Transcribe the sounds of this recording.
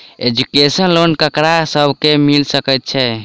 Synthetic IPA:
ed͡ʒukesənlonkəkɾasəbʱkemilsəkəjt̪̚t͡ʃʰɛ

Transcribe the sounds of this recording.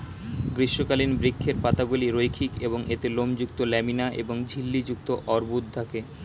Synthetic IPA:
ɡɾiʃːokalinbɾikʰːeɾpat̪aɡuliɾojkʰikeboŋet̪elomd͡ʑuk̚t̪olɛminaʔḛboŋd͡ʑʱilːid͡ʑuk̚t̪oʔɔɾbut̪̚d̪ʱake

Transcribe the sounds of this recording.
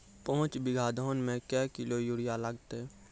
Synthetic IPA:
pɔɦʊ̃t͡ʃbɪɡʱaːd̪ʱoːnmẽkɛːkɪlojuɽijaləɡt̪e

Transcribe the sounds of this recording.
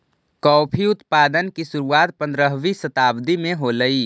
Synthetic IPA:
kɔːpʰiʊt̪paːd̪ənkisʊɾuwaːt̪pə̃nd̪ɾəɦʋisət̪aːbd̪imẽɦoləiː

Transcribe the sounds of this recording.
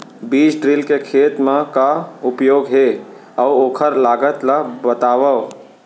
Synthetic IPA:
biːt͡ʃɖɾɪlkekʰeːt̪mãkaʊpjoːɡɦe | əʋoːkʰəɾlaːɡət̪labət̪aːʋəʋ

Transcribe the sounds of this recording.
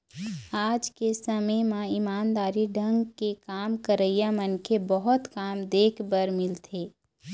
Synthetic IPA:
aːd͡ʒkesəməjmãɪmaːnd̪aːɾiɖʱə̃ŋɡkekaːmkəɾəjamənkʰebɐɦʊt̪kaːmd̪eːkʰbəɾmɪlt̪ʰeː

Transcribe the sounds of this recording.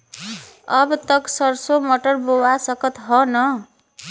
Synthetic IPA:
ʌbt̪ʌksʌɾsomoʈʌrbowasʌkʌt̪ɦʌnʌ

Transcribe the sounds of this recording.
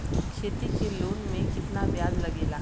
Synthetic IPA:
kʃʰeːt̪ikeloːnmẽkɪt̪naʋjaːdlɐɡeːlaː

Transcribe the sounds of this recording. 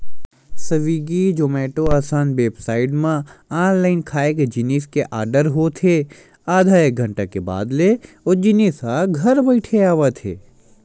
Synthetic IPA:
sɐʋiːɡid͡ʒoːmɛːʈoaːsaːnbeːbsaːɪɖmãaːnlaːɪnkʰaːekd͡ʒɪniːskeʔaːɾɖəɾɦot̪ʰe | aːd̪ʱaːeɡʱɐ̃ɳʈakeba̰ːd̪le | od͡ʒɪnisɦaɡʱɐɾbɐɪʈʰeaːʋat̪ʰḛː

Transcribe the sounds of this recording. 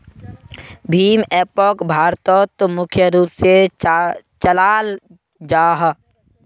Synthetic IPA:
bʱiːmeːpɔːkbʱaːɾt̪ɔːt̪mʊkʰjəɾuːpse | t͡ʃəlaːl | d͡ʒaːɦ

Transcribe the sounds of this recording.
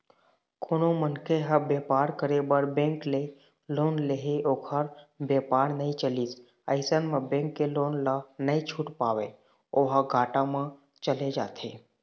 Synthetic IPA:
kʰoːnomənkeɦəbeːpaːɾkəɾebəɾbẽːŋkle | loːnleɦeʔoːkʰəɾbeːpaːɾnəɦĩt͡ʃəlis | əɪsənmẽbɛ̃ːŋkːeloːnlanəĩt͡ʃʰuːʈpaːʋe | oːɦəɡʱaːʈamẽ | t͡ʃəled͡ʒa̰ːt̪ʰeː

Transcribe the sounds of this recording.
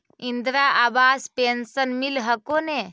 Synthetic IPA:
ind̪ɾaʔabaːspensənmilɦəkone

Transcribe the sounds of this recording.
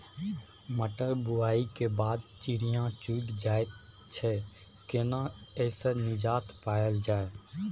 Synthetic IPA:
məʈəɾbʊaːikebaːd̪t͡ʃiɾijãt͡ʃuːʈd͡ʒaːet̪ | t͡ʃʰɛ | kenaɛːsenɪd͡ʒaːt̪ʰpaːjəld͡ʒaːe

